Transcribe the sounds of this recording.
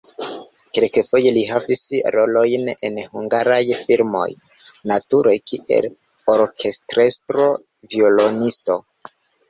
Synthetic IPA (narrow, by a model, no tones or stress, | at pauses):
kelkefo̞je̞liɦavisɾo̞lo̞jne̞̰nhuŋɡaɾajfiɾmo̞̰j | natuɾojkʰiʔe̞̰l | oɾkʰe̞stɾe̞stɾo̞ | vio̞lo̞nisto̞